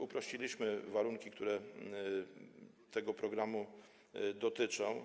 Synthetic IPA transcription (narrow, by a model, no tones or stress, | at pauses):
upɾɔɕt͡ɕilʲiɕmɘvaɾuŋkʲik̚t̪uɾɛ | t̪ɛɡɔpɾɔɡɾamu | d̪ɔt̪ɘt͡ʂɔ̃w̃